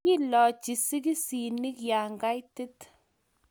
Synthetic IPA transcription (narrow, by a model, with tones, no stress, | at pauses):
i˦lɔ˨t͡ʃi˨si˦k̬i˦si˨ni˦kja˨ŋɡa˦jti˦t